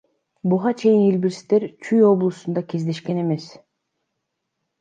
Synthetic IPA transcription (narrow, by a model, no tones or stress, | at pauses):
buʁɑt͡ʃʰe̞jinilbiɾst̪e̞ɾt͡ʃʰyjo̞blˠusund̪ɑke̞zd̪e̞ʃke̞ne̞me̞s